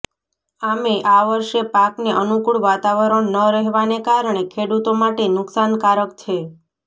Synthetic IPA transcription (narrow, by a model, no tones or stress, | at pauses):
ameʔaʋəɾʃjepakneʔənukuɭʋat̪aʋəɾəɳnəɾəɦʋanekaɾɳekʰeɽut̪omaʈenʊksankaɾək̚t͡ʃʰe